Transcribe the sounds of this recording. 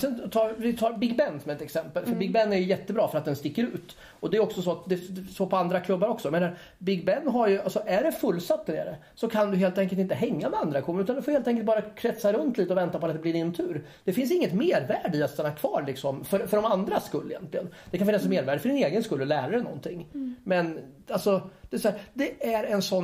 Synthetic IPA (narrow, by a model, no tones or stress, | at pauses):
sɛnt̪ʰɑːɾvɪt̪ʰɑːɾbɪɡbɛnːsɔmɛt̪ɛksɛmpəlfœɾbɪɡ̚bɛnːæɾjɵjɛt̪ːəbɾɑːfœɾat̪̚d̪ɛnst̪ɪkːəɾʉ̟ːt̪ | ɔd̪ɛɾɔksɔsɔat̪̚d̪ɛsopʰɔand̪ɾakʰlɵbːaɾɔksɔjameːnaɾ | bɪɡbɛnːɦaɾjɵalsɔʔæɖɛfɵlːsat̪ːænḛːɾə | sɔkʰand̪ɵɦeːlt̪ɛŋkəlt̪ɪnt̪əɦɛŋːamɛand̪ɾakʰlɵbːaɾʉ̟t̪and̪ɵ̟foːheːlt̪ɛŋkəlt̪̚bɑːɾakʰɾɛt̪saɾɵnt̪ʰliːt̪əɔvɛnt̪apʰɔat̪̚d̪ɛblɪdɪnt̪ʰʉ̟ːɾ | d̪̥ɛfɪnsɪŋːət̪meːɾvæːɖiat̪st̪ɛnːakʰvɑːɾɭɪksɔmfœɾfœɖɔmand̪ɾaskɵlːɪjɛ̰nt̪lɪɡənd̪̥ɛkʰanfɪnːasmeːɾvæːɖəfœɖɪneːɡənskɵlːɔlæːɾaɾɛnɔ̰nt̪ʰɪŋːmɛn | alsɔd̥̪ɛsɔæːɾd̪ɛæɾɛnsɔn